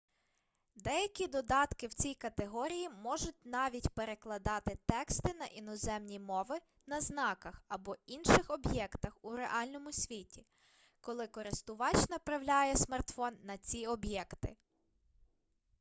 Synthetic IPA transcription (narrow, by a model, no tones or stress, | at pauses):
d̪ɛjɐkʲid̪ɔd̪ɑt̪kɪwt͡sʲijkɐt̪eɦɔɾʲijimɔʒʊt̚ʲnɑʋʲitʲpeɾeklˠɐd̪ɑt̪ɪt̪ɛkst̪ɪn̪ɐʔinɔzɛmnʲimɔʋɪ | nɐznɑkɐxɐbɔinʃɪxɔbjɛkt̪ɐxuɾeʔɑlʲnɔmʊsʲʋʲitʲi | kɔlˠɪkɔɾɪst̪ʊʋɑt͡ʃnɐpɾɐwlʲajɛsmɐrt̪fɔnːɐt͡sʲiɔbjɛkt̪ɪ̰